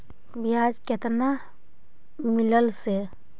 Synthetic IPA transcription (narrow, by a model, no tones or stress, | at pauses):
bijaːd͡ʒket̪na | mɪləlse